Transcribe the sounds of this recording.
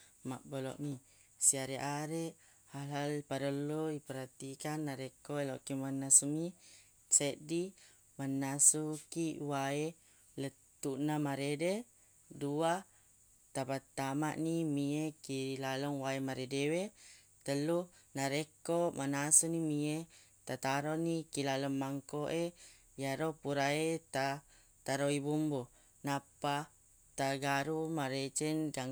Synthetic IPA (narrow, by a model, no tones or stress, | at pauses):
ma̰ʔbəlɔ̰ʔmi | siaɾeʔaɾe | halɦalpaɾəluipəɾat̪ikanːaɾekoelɔkimanːasumi | t͡ʃeʔdi | manːasukiwae | lə | t̪unamaɾede | dua | t̪abat̪ːama̰ʔnimiekilalɔŋwaemaɾedewe | t̪əlunaɾekɔʔmanasunimiet̪at̪aɾonikilalɔŋːaŋkoʔe | jaɾopuɾaet̪a | t̪aɾoibumbu | napa | t̪aɡaɾumaɾet͡ʃənɡa